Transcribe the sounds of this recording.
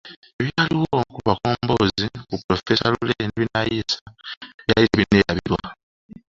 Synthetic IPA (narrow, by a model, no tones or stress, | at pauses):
e̞βjaːliwokuβakoːmboːzikupːɾofesaluleneβinajisaβjaliɾeβineːɾaβiɾwa